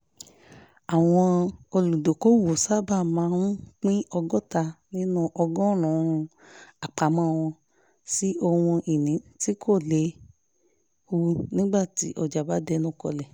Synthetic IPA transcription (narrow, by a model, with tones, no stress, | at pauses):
a˨w̃ɔ̃˧o˧lu˨do˨ko˦wo˨sa˦ba˦˨mã˨˧˦ũ˦k͡pĩ˦ɔ˧ɡɔ˦˨ta˧nĩ˦nũ˦ʔɔ˧ɡɔ˦˨ɾ̃ɔ̃˨˦˧ũ˧ | a˨k͡pa˨˦mɔ̃˦˨˧w̃ɔ̃˧ | si˦ʔo˧wɔ̃˧ʔi˨nĩ˨˦ti˦kʰo˦˨le˨˦ | u˧nĩ˦ɡ͡ba˦˨ti˨˦ʔɔ˧˨d͡ʒa˨ba˨˦dɛ˧˦nɔ̃˦kɔ̰˧lɛ˨